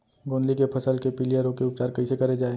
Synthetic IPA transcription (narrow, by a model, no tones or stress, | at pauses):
ɡõːnd̪likepʰɐsəlkepɪlijəɾõkeʊp̚t͡ʃaːɾkɐisekɐɾed͡ʒaːe